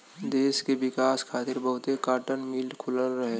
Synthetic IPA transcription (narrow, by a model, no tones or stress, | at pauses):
d̪eːskeʋɪkaːskʰaːt̪ɪɾbɐɦʊt̪ekaːʈənmiːlkʰʊləlɾɐɦe